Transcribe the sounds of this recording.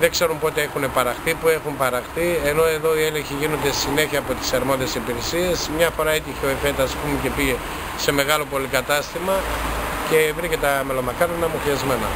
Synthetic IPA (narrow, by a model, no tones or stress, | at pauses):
ðe̞ɡse̞ɾumpo̞t̪e̞exune̞pɐɾɐxθipue̞xumpɐɾɐxθie̞no̞e̞ðo̞ieleɲçiʝino̞nd̪esine̞çiɐːpo̞t̪i̥sɐɾmo̞ðiesipiɾesie̞smɲɐfo̞ɾɐet̪içeoefet̪ɐːspumece̞piʝe | se̞me̞ɣɐlo̞po̞likɐt̪ɐst̪imɐce̞vɾicet̪ɐme̞lo̞mɐkɐɾnɐmuxiɐzme̞nɐ̰